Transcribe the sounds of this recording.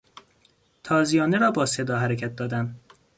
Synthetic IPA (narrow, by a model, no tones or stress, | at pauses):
t̪ʰɒːzijɒːneɾɒːbɒːsed̪ɒːɦæɾecʰæt̪̚d̪ɒːd̪æm